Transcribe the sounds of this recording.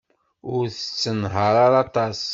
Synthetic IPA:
ʊɾθə̥t͡sːənɦəɾˤaɾɑt̪ɑs

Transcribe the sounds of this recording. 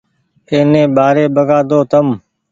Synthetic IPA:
eːnẽːɓaːɾeːbəɡaːd̪oːt̪əm

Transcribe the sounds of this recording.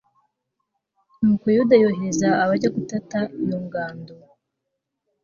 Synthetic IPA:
nukojudajoɦezaːβaɾɟaɡutatajoŋɡaːndo

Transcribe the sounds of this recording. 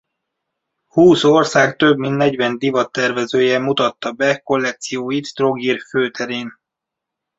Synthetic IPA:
huːsorsaːkt̪øbminnɛɟvɛnd̪ivɒt̪ːɛrvɛzøːjɛmut̪ɒt̪ːɒbɛko̞lːɛk̚t̪sijoːjit̪t̪roɡirføːt̪ʰɛɾeːn

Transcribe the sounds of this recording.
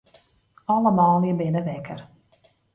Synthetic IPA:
ɑləmaːlˠiəbɪnəʋɛkʰər

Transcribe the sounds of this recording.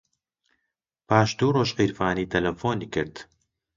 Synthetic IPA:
paːʃd̪uːroːʃqiːɾfaːniːt̪ʰɐlɐfoːnikɨɾd̪

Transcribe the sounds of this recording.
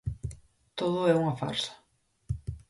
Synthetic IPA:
t̪oð̞ʊɛuŋɐfa̰ɾsḁ

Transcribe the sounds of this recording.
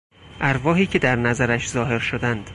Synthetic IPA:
ʔæɾvɒːɦiːcʰe̞d̪æɾnæzæɾæʃzɒːɦe̞ɾʃod̪ænd̪̥

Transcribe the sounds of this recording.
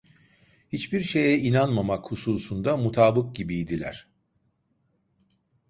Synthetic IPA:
hit͡ʃbiɾʃe̞jɛinanmamakhusuːsund̪amut̪ʰaːbɯk̚ɟibijd̪ilʲæ̰ɾ̥

